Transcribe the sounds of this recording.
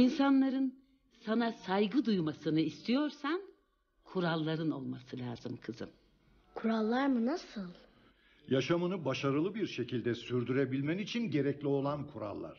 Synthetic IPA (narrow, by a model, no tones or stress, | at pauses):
insanlˠaɾɯn | sanasajɡɯd̪ujmasɯnɯist̪ʰijo̞ɾsan | kʰuɾalˠːaɾɯno̞lˠmasɯlʲaːzɯmkʰɯzɯ̰m | kʰuɾalˠːaɾmɯnasɯlˠ | jaʃamɯnɯbaʃaɾɯlˠɯbiɾʃe̞cʰilʲd̪ɛsyɾd̪yɾebilʲmɛnit͡ʃʰinɟe̞ɾɛclʲio̞lˠankʰuɾa̰lˠːa̰ɾ̥